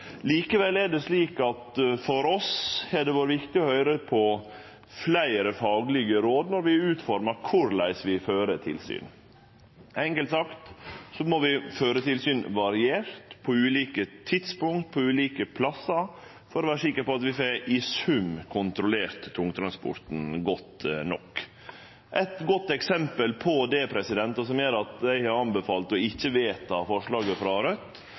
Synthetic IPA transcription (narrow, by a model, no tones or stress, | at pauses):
liːkəʋɛlːɛɖɛsliːkɑt̪fɔɾɔsɛɖɛʋoːɾəʋɪkt̪ɪɔhœʏɾəpʰɔ | flæɪɾəfɑːɡlɪɡəɾoːd̪nɔɾʋɪʉːt̪fɔɾməɾkʰʊɾlæ̰ɪsʋɪføːɾət̪ʰɪlsy̰ːn | ɛŋkəlt̪sɑkt̪sɔmɔʋɪføːɾət̪ʰɪlsyːnʋɑɾɪeːɾt̪pʰɔʉːliːkət̪ʰɪd̪spʊŋkt̪̚pʰɔʉːliːkəpʰlɑsːəɾ | fɔɾɔʋæːɾʂɪkːəɾpɔɑt̪ʋɪfeɪsʉmkʰʊnt̪ɾʊleːɾt̪ʰːʊŋt̪ʰɾɑnspɔ̰ɾt̪n̩ɡɔt̪nɔkː | ʔɛt̪ɡɔt̪ːɛksɛmpəlpʰɔd̪ɛpʰɾɛsɪd̪ɛnt̪ɑs̬ɔmjøːɾɑt̪d̪æɪhɑɾɑnbəfɑːlt̪ɔɪçːəʋeːt̪ɑfɔʂɭɑːɡəfɾɑɾœt̪ː